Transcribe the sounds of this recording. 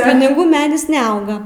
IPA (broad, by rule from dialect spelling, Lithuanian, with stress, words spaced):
pʲɪnʲɪˈɡuː ˈmʲæːdʲɪs nʲɛˈɐʊɡɐ